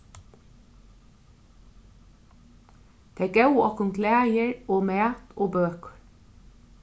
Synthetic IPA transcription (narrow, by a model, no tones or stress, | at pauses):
t̪ʰeːɡœʉɔkʊŋkʰlæːjəɹoːmæːt̪oːbøːkə